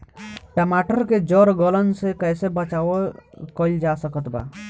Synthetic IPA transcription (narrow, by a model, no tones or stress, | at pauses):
ʈəmaʈəɾked͡ʒɔɾɡɔlənsekəjsebət͡ʃawkɔild͡ʒasəkət̪ba̰ː